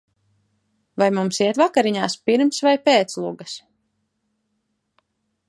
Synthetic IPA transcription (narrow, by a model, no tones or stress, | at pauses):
vajmumsiɛt̪vakaɾiɲaːspiɾmsvajpeːt̪slˠuɡas